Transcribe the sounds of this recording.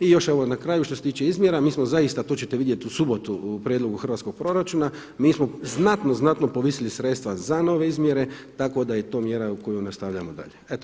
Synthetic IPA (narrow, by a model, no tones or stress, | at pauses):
ijo̞ʃe̞ʋonakɾaːjuʃt̪oset̪iːt͡ʃe̞izmʲje̞ɾamiːsmozaist̪at̪oːt͡ɕet̪eʋid̪je̞t̪iusubo̞t̪upɾjed̪lo̞ɡuxr̩ʋat̪sko̞ɡ̚pɾo̞ɾat͡ʃuna | miːsmo̞znat̪noznat̪no̞poʋisilisɾet̪st̪ʋazano̞ʋe̞izmje̞ɾe̞t̪ako̞d̪ajet̪o̞ːmje̞ɾauko̞junast̪aʋʎamod̪a̰ʎeet̪o